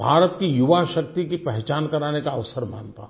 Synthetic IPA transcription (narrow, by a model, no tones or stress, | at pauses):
bʱa̰ːɾət̪kijʊʋaʃɐk̚t̪ikipɛɦt͡ʃaːnkɐɾaːnekaɐʋsəɾma̰ːnt̪a̰